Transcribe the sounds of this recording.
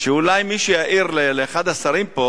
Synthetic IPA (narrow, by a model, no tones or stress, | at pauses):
ʃeulajmiʃejaʔiʁleleːχad̪asaɾimpo